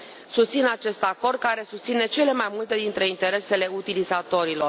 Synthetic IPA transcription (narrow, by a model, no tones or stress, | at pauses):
sust̪sinat͡ʃe̞st̪ako̞rd̪̚kaɾe̞sust̪sine̞t͡ʃe̞le̞majmult̪e̞d̪int̪ɾe̞int̪e̞ɾe̞se̞le̞ut̪ilizat̪o̞ɾilo̞r